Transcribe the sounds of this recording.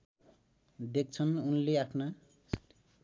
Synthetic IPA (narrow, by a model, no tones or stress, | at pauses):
d̪ek̚t͡sʰʌnunleakʰna